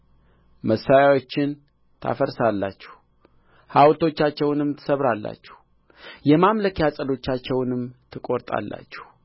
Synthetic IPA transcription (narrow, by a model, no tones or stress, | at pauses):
məsːajawo̞t͡ʃːɪn | t̪ʰa̰fəɾsalːat͡ʃːɛ̥h | hawlt̪ʰo̞t͡ʃːat͡ʃːɛwnɨmt̪ʰɨ̥səβɾalːa̰t͡ʃːɛ̥h | jɛmamləkjasʼəlo̞t͡ʃːat͡ʃːɛwnɨmt̪ʰɨkʼo̞ɾt̪ʼa̰lːa̰t͡ʃːɛ̥h